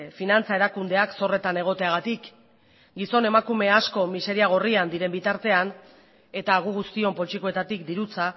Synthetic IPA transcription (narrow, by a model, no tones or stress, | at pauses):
finant͡sae̞ɾakund̪e̞akso̞re̞t̪ane̞ɣ̞o̞t̪e̞aɣ̞at̪ik | ɡiso̞ne̞makume̞asko̞mise̞ɾiaɣ̞o̞riand̪iɾe̞mbit̪aɾt̪e̞an | e̞t̪aːɣ̞uɣ̞ust̪io̞mpo̞t͡ʃiko̞e̞t̪at̪ik̚d̪iɾut͡sa